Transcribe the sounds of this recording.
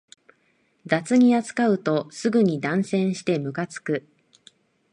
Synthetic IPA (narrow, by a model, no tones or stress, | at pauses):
d̪at͡sɨɲ̟iat͡sɨ̥kaɯ̟t̪o̞sɨɡɯ̟ɲ̟id̪ãɰ̃sẽ̞ɰ̃ɕi̥t̪e̞mɯ̟kat͡sɨ̥kɯ̟